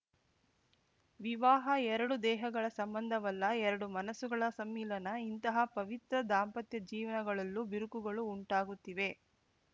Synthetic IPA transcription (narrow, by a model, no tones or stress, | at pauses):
ʋiʋaːɦɐɛɾɐɽud̪ɛːɦɐɡɐɭɐsɐmbɐnd̪ʱɐʋɐlːɐɛɾɐɽumɐnɐsuɡɐɭɐsɐmːiːlɐnɐint̪ɐɦɐpɐʋit̪ɾɐd̪aːmpɐt̪jɐd͡ʒiːʋɐnɐɡɐɭɐlːubiɾukuɡɐɭuːɳʈaːɡut̪ːiʋe̞